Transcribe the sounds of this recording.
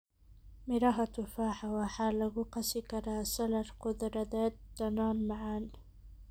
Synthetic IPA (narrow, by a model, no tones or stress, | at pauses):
mɪɾaɦat̪ufaːħawaħaːlaɣʊqɑsikaɾaːsalaɾqʊd̪ɾɑd̪aːt̪̚d̪̥anaːnmaʕaːn